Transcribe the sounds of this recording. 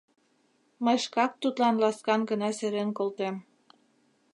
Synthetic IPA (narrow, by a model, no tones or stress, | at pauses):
məjʃkɑk̚t̪ut̪lɑnlɑskɑnɡənɑseɾenkolt̪em